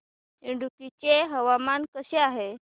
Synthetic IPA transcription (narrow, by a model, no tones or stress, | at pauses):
iɳɖukit͡ɕeɦəʋamankəɕeaɦe